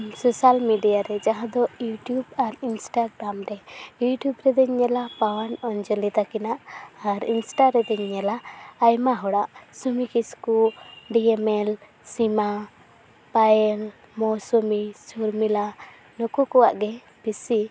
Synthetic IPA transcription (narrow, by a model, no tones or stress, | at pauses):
sɔsalmiɖijaɾɛd͡ʒaɦãd̪ɔjuʈjubaɾinsʈaɡɾamɾɛjuʈjubɾɛd̪ɛɲːɛlapawanɔnd͡ʒɔlit̪akinaʔaɾinsʈaɾɛd̪ɛɲːɛlaːjmaɦɔɽaʔsumikiskuɖiɛmɛl | sima | paɛl | mɔsumisulmila | nɔkukɔwa̰ʔɡɛ | b̥isi